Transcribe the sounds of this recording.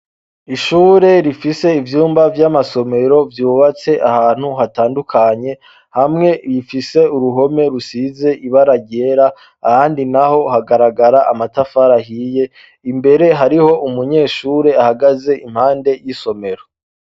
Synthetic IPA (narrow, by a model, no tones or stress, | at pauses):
iʃuːɾe̞ɾifise̞ivjuːmbavjamaso̞me̞ɾo̞vjuːβat͡se̞ʔahaːn̥huɦataːndukʰaɲe̞ | hamŋe̞ɾifise̞uɾuɦo̞me̞ɾusize̞ʔiβaɾaɟe̞ɾaː | haːndinaho̞haɡaɾaɡaɾaʔamatafaɾahiːje̞ | imbe̞ɾe̞ɦaɾiho̞ʔumuɲe̞ːʃuːɾe̞ahaɡaze̞ʔim̥haːnde̞jiso̞me̞ɾo